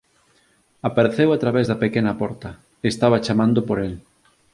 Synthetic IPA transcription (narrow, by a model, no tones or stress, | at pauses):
apaɾeθewat̪ɾaβezðɐpekenɐpɔɾt̪ɐ | est̪aβ̞at͡ʃamãnd̪oʊpoɾel